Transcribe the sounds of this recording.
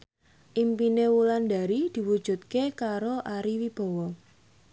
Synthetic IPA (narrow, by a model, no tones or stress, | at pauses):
ʔimpinewuland̪a̤ɾid̪̥i̤wud̥ʒ̥ṳt̪̚kekaɾoʔaɾiwib̥ɔ̤wɔ